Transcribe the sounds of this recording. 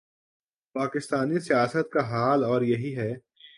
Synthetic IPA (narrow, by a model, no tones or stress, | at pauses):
paːkɪst̪aːnisijaːsət̪̚kaɦaːlɔːɾjɐɦiɦɛː